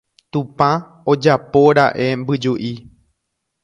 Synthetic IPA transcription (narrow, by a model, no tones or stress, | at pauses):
t̪ũpã | od͡ʒapo̞ɾaʔe̞mbɨd͡ʒuʔi